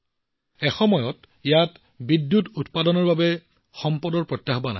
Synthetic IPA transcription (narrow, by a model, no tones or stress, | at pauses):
ɛxɔmɔjɔt | ijat | bidːjututpadɔnɔɹbabɛ | xɔmpɔdɔɹpɹɔtjaɦɔbana̰